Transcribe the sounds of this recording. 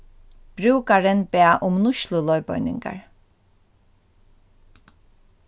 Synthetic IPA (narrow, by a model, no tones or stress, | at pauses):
b̥ɾʉːkaɹənbeːʔʊmnʊʃlʊlɔʏbœ̰ʏnɪ̰ŋɡa̰ɹ